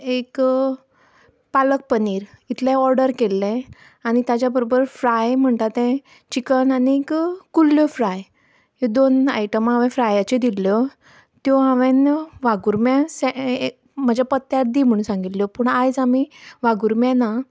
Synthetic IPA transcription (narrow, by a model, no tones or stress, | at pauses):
ek | palək̚pəniːɾit̪ʰlɛ̃ɔɾɖəɾkelːɛ̃ | añit̪jat͡ɕjabəɾobəɾfɾajm̤əɳt̪at̪ɛ̃ | t͡ɕikənaniekkːulːjɔfɾaj | ɦed̪ona̰jʈəmãʋɛ̃fɾajat͡ɕed̪ilːjɔ | t̪jɔaʋɛ̃nʋaɡuɾmjãsɛ | m̤əd͡ʑapət̪ːjaɾd̪iːm̤əɽũnsãŋɡit̪ljɔpəɳajd͡zamiʋaɡuɾmjana